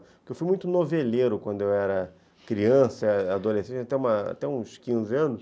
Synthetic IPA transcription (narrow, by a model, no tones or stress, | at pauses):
pkewfujmũj̃t̪ʊnoveleɾʊkwɐ̃nd̪ʊewɛɾɐ | kɾiɐ̃sɐad̪olesẽnt͡ʃat̪ɛũmɐa̰t̪ɛũskĩzɪɐ̃nʊs